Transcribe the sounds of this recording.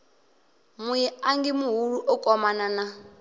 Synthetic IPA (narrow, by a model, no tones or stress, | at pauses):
mujɛaŋɡimuɦuɺuʔɔkʼɔmanana